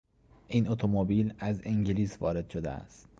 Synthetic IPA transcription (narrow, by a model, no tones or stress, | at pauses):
ʔiːnot̪ʰomobiːlæzeŋɟiliːsvɒːɾe̞d̪̥ʃod̪ḛæ̰st̪̚